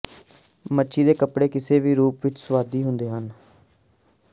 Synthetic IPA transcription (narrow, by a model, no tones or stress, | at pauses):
mətːʃʰiːd̪eːkəpɽeːkɪseːʋiːɾuːpʋɪt͡ʃsəʋaːd̪iːɦʊnd̪eːɦən